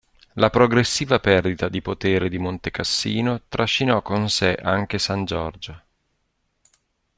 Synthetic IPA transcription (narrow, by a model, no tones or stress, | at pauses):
lapɾoɡɾesːiːvapɛrd̪it̪ad̪ipot̪eːɾed̪imont̪ekasːiːnot̪ɾʔaʃːinɔkːonseʔaŋk̟esand͡ʒɔrd͡ʒo